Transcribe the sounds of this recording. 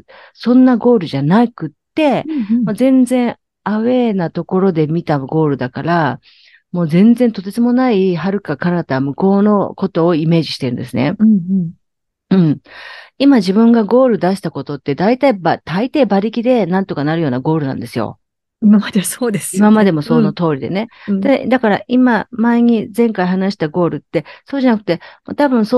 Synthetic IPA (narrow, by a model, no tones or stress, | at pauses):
sõ̞nːaɡo̞ːɾɯ̟ʑanaikɯ̟t̪ːe̞mozẽ̞nd͡zẽ̞ɰ̃ | aβe̞ːnat̪o̞ko̞ɾo̞d̪e̞mʲit̪aɡo̞ːɾɯ̟d̪akaɾa | mo̞ːzẽ̞nzẽ̞nt̪o̞t̪esɨmo̞naiɦaɾɯ̟kakaɾat̪amɯ̟ko̞ːno̞ko̞t̪o̞ːime̞ːʑiɕi̥t̪e̞ɾɯ̟̃nd̪e̞sɨnẽ̞̰ | ɯ̟̃ɴimaʑibɯ̟̃ŋɡaɡo̞ːɾɯ̟d̪aɕi̥t̪ako̞t̪o̞t̪ːe̞d̪ait̪aibat̪ait̪e̞ːbaɾʲikʲid̪e̞nãnt̪o̞kanaɾɯ̟jo̞ːnaɡo̞ːɾɯ̟nã̰nd̪e̞sɨjo̰ | imamad̪esoːd̪esimamad̪e̞mo̞soːnot̪o̞ːɾʲid̪e̞̰ne̞d̪ed̪akaɾa̰ʔimamaeɲ̟izẽ̞ŋkaiɦanaɕi̥t̪aɡo̞ːɾɯ̟t̪ːe̞so̞ːʑanakɯ̟t̪e̞moːt̪abɯ̟̃ɰ̃so